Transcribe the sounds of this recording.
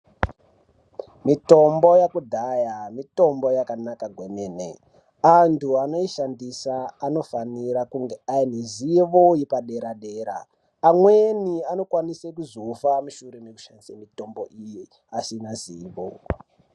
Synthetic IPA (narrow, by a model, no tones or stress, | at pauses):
mito̞mbo̞jakudʱajamito̞mbo̞jakanakaɡʱwemeːnḛ | antʰuano̞iʃandisaːno̞faniɾakuŋɡeaineziʋojipaɗe̞ɾaɗe̞ːɾa̰ː | mweniano̞kwanisekuzofamuʃuɾemeku̥ʃandisamito̞mboʔiji | asinaziːʋo̰